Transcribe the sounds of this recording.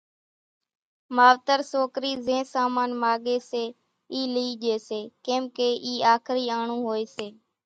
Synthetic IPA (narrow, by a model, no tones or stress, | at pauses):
maːʋt̪əɾsoːkɾiːzẽːsaːmaːnmaːɠeːseː | iːliːʄeːseːkẽːmkeːʔiːaːkʰɾiːaːɳũːɦoːeːseː